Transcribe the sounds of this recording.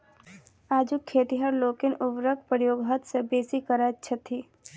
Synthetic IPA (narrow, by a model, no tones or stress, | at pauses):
aːd͡ʒukʰːeːt̪iɦɐɾloːkɪnʊʋɾək̚pəjoːɡɦət̪sebeːsikəɾatːʃʰət̪ʰːiː